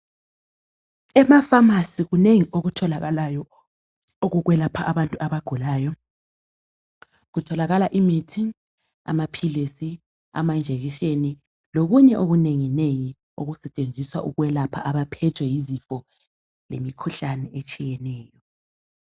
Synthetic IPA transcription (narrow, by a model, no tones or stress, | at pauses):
ɛmafamasiɣuneŋioɣutʰɔlaɣaajɔ | oɣuɣwɛlapʰaʔaβantʼuaβaɡ̥ʱulaːjɔ | ɣutʰɔlaɣalaʔimitʰi | a̰mapʰilesi | a̰mand͡ʒʱeɣiʃeni | loɣuɲɛʔoɣuneŋineŋi | oɣusɛt͡ʃʼend͡zʱiswaʔuɣwɛlapʰaʔaβapʰɛtʰwɛjizifɔ | lemikʰuɬanɛet͡ʃʼijɛnɛːjɔ